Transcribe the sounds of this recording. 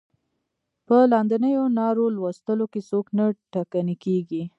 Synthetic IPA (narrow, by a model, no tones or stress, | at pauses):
pəlɑnd̪ənəjonɑɾolwast̪əlokesoknaʈakanekeɡi